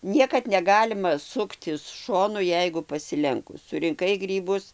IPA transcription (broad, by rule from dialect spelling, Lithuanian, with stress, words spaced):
ˈnʲiɛkɐt nʲɛˈɡɑːlʲɪmɐ ˈsʊktʲɪs ˈʃoːnʊ ˈjɛɪɡʊ pɐsʲɪˈlʲɛŋkʊs sʊrʲɪŋˈkɐɪ ˈɡrʲiːbʊs